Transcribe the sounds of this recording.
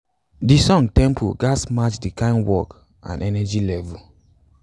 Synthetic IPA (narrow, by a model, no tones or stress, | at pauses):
disɔ̃ŋtɛ̃mpʰṵɡasmat͡ʃdikãɪ̃nwɔk | ã̰nʔɛnɛd͡ʒilɛvu